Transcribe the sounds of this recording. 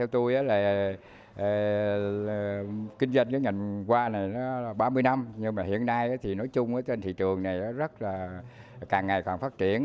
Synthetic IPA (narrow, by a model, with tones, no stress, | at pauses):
t̪ʰɛ˧wt̪u˧jʔaː˨˦laː˨˩˨ | kï˧ŋzwa˧jŋ̟kaː˨˦ŋa˨˩jŋkwaː˧na˨˩jnɔ˨˦laː˨˩ɓaː˧mɨ˧əjna˧mɲɨ˧ŋmaː˨˩hḭ˧˨ənːa˧jʔaː˨˦t̪ʰi˨˩nɔ˨˦jt͡ɕʊ˧ŋ͡mʔaː˨˦t͡ɕe˧nt̪ʰḭ˧˨t͡ɕɨ˨˩əŋna˨˩jʔaː˨˦zə˦˥t̚laː˨˩ | kaː˨˩ŋːa˨˩jkwaː˨˩nfaː˦˥t̚t͡ɕḭ˧˩˨ən